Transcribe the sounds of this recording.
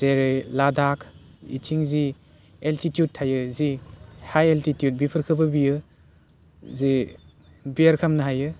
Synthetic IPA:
zeɾɯjladakʰ | ḭtʰiŋzi | eltitjud̚tʰajɯzihajaltitjud̚bipʰɯɾkʰɯbɯbijɯ | zi | biɐɾkʰamnɐɦajɯ

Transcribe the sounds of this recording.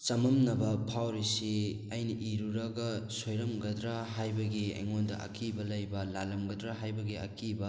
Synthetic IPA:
t͡ʃɐmɐmnɐbɐpʰawɾisi | ɐjnɐʔiɾuɾɐɡɐsojɾɐmɡɐdɾaɦajbɐɡiɐ̰jŋondɐ̰ʔɐ̰kʰibɐlɐjbɐlalɐmɡɐdɾaɦajbɐɡiɐ̰kibɐ

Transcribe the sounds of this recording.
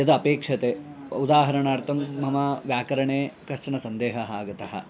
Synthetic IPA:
ɐd̪ɐɐpeːkʂɐt̪e | ud̪aːɦɐɾɐɳaːɾt̪ɐmːɐmɐʋjaːkɐɾɐɳeːkɐʂt͡ʃɐɳɐsɐnd̪eːɦɐɦaːɡɐt̪ɐɦɐ̰

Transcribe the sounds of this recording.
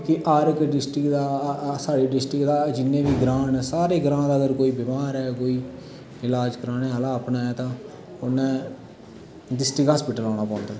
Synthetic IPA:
kɪʔaɾɪkɖɪsʈɾɪkd̪aːsaːɽiːɖɪsʈɾɪkd̪aːɛd͡ʒɪnːẽːʋiːɡɾãːnɛːsaːɾeːɡɾãːd̪aːəɡəɾkoːiːbɪmaːɾɛːkoːiː | ɪlaːd͡ʒkəɾaːnɛ̃ːəlaːəpnaːɛːt̪ãː | ʊnɛ̃ː | ɖɪsʈɪkɦaːspɪːʈəlaːɽ̃aːpãːnd̪aː

